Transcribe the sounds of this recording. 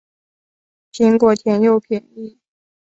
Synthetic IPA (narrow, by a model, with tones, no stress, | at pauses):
t͡ɕi˥ŋkwɔ˥˩t̪ʰjɛ˧˥njo˥˩ʊpʰjɛ˨˩ni˥˩